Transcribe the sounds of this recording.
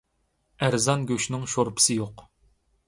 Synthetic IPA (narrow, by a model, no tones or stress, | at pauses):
æɾzɑnɡʲøʃnɪŋʃoɾpʰɨ̥sɨjoq